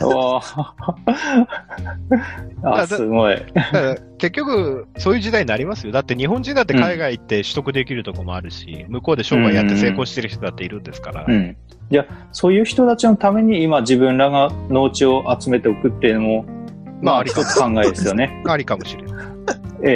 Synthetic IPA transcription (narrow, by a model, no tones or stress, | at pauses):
a | aad̪ɨɡo̞ḭd̪ad̪a | ke̞kʲːo̞kɯ̟so̞ːjɯʑid̪aiɲinaɾʲimasɨjo̞d̪at̪ːe̞ɲ̟iɦõ̞ɲd͡ʑĩnd̪at̪ːekaiɡait̪ːe̞ɕɨ̥t̪o̞kɯ̟d̪e̞kʲiɾɯ̟t̪o̞ko̞mo̞aɾɯ̟ɕḭmɯ̟ko̞ːd̪e̞ɕo̞ːbaijat̪ːe̞se̞ːkoːɕit̪e̞ɾɯ̟çi̥t̪o̞d̪at̪ːeiɾɯ̟̃nd̪e̞sɨ̥kaɾa̰ɯ̟̃ɴ | d͡ʑa | so̞ːjɯ̟ːçi̥t̪o̞t̪at͡ɕinot̪ame̞ɲ̟iːmad͡ʑibɯ̟̃nɾaɡano̞ːt͡ɕio̞ʔat͡sɨme̞t̪e̞okɯ̟t̪ːenomomaaɾiot̪ːo̥kãŋɡaed̪esɨjo̞neaɾʲikamo̞ɕiɾe̞na | e